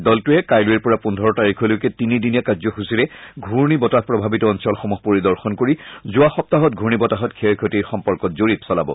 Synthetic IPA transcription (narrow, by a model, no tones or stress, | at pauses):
dɔltʊɛkajlʊiɹpɔɹapundʱɔɹɔtaɹikʰɔlʊjkɛtinidinijakazɔxusiɹɛɡʱuɹnibɔtahpɹɔbʱabitɔːnsɔlxɔmuɦpoɹidɔɹxɔnkoɹizʊaxɔp̚taɦɔt̚ɡʱuɹnibɔtaɦɔtkʰeɹkʰɔtiɹxɔmpɔɹkɔtzoɹitsɔlabɔ̰